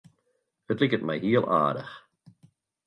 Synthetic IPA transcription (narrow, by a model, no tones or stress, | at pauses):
hətlikət̚mɛ̰jɦiəlˠa̰ːdə̰x